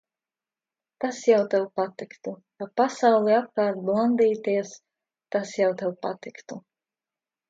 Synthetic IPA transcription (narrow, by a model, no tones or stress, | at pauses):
t̪asjawt̪ɛwpat̪ikt̪ukapasawlˠiap̚kɑːɾt̪̚blˠand̪iːt̪iɛs | t̪asjawt̪ɛwpat̪ikt̪u